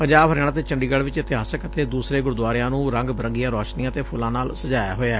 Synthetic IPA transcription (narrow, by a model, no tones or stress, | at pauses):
pəɲd͡ʒaːbɦəɾɛːɽ̃aːt̪eːt͡ʃəɳɖiːɡəɽʋɪt͡ʃɪt̪ɪɦaːsəkət̪eːd̪uːsɾeːɡʊɾd̪waːɾɪjãːnũːɾə̃ŋɡbəɾəŋɡijãːɾɔːʃnijãːt̪eːpʰʊlãːnaːlsəd͡ʒaːja̰ːɦoːeɛː